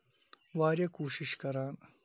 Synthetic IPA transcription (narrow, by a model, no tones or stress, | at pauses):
waːɾjekuːʃiʃkɐɾaːn